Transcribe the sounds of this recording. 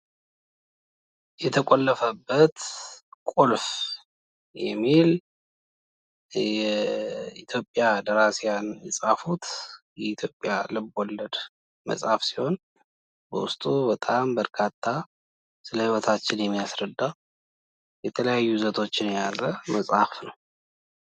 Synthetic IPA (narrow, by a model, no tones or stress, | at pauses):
jɛt̪ʰəkʼolːəfəbːət̪kʷʼolf | jɛ̰mːil | ɛ | it̪ʰjo̞pʼːjad̪əɾasjanjɛsʼafut̪ʰ | jɛit̪ʰjo̞pʼjalɨbɔlːəd̪ | mə̰sʼhafsi̥ho̞n | bə̰wʊst̪ʼubət̪ʼambəɾkʰat̪ʰːa | sɨləhɨwɔt̪ʰat͡ʃːɪnjɛmːijasɾəd̪ːa | jɛt̪ʰələjajːuzət̪ʰo̞t͡ʃːɪnjalːəməsʼhafnəw